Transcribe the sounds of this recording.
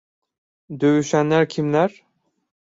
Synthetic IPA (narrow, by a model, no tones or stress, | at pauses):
d̪øɥyʃænlæɾcʰimlæɾ